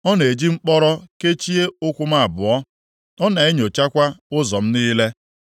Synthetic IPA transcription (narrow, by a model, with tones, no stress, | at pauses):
ɔ˦ne˨d͡ʒi˦ŋ͡m̩˦k͡pɔ˦ɾɔ˦ke˦t͡ʃi˦e˦ʊ˦kʷʊ˦m̩˦a˦˨bʊ̰˨ɔ˦ | ɔ˦na˨e˦ɲo˨t͡ʃa˦kʷa˦ʊ˦zɔ˨m̩˦niː˦le˦